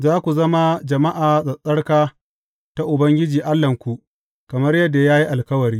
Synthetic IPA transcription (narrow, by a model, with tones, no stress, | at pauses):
zaː˦kʷu˨zɐ˦ma˦d͡ʒɐ˨ma˦ʔaː˨zʼɐ˨sʼɐ˦ɽkaː˦ | ta˦ʔʊ˨bɐ˦ŋɡʲɪ˦d͡ʒiː˨ʔa˦lːɐ˨ŋkʷu˨ʔ | kɐ˨mɐ˦rjɐ˦dːa˨jaː˦ji˦ʔa˨lkɐ˦wɐ˨ɾiː˦